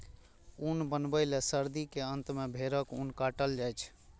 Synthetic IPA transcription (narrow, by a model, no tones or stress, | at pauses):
unbənbəlesəɾd̪ikeənt̪mebʱeɾəkunkaʈəld͡ʒajt͡ʃʰ